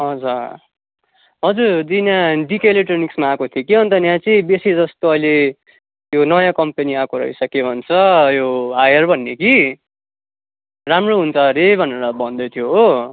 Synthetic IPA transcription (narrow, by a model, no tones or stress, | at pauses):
ʌd͡zʌ | ɦʌd͡zurd̪inaɖikeleʈʌniksmaːkot̪ʰiokiɦʌnt̪ʌnjãt͡siĩbesid͡zʌst̪oʌile | jonʌjãkʌmpeniakoɾʌ̰ɦisʌkebʱʌnt͡sʰʌjoajʌrbʱʌnːeki | ramroɦunt͡sʰʌɾebʱʌneɾʌbʱʌnd̪ʌt̪ʰjoɦo